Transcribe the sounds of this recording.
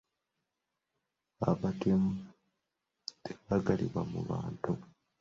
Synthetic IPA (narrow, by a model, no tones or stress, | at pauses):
aβatemu | te̥βaɡaliβwamṵβa̰ːntu